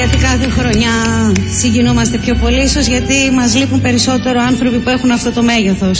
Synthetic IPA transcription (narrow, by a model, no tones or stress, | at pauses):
ʝɐt̪ikɐθexɾo̞ɲɐsiɲɟinomɐst̪epço̞po̞liso̞zʝɐt̪imɐzlipumpe̞ɾiso̞t̪e̞ɾoɐnθɾo̞pipue̞xunɐft̪o̞t̪o̞me̞ʝeθo̞s